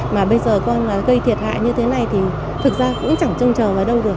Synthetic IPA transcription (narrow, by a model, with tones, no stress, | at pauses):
maː˨˩ɓə˧jzəː˨˩kɔ˧nmaː˨˩ɣə˧jt̪ʰi˨˩ət̚ha̰ː˧˨jɲɨ˧t̪ʰe˨˦na˨˩jt̪ʰi˨˩ | t̪ʰɨ˨˩k̚zaː˧kʊ̰˧˥ŋ͡mt͡ɕa˧˩ŋt͡ɕə˧wŋ͡mt͡ɕəː˨˩vaː˨˩ɗə˧wɗu˨˩ək̚